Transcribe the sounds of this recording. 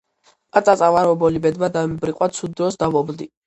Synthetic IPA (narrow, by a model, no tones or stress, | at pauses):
pʼat̪sʼatsʼavaɾɔbɔlibɛd̪mad̪ambɾiqʼwat̪sʰud̪ːɾɔsd̪amɔbld̪i